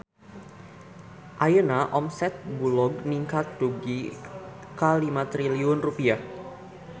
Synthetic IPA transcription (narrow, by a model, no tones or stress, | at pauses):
ʔajənaʔɔmsɛt̪̚bulɔɡ̚niŋkat̪̚duɡi | kalimat̪ɾiliʊnrupia